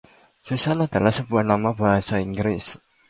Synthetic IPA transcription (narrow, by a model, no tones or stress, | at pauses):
susanad̪̥a̤lahsəb̥uahnamab̥aɦasaiŋɡɾɪs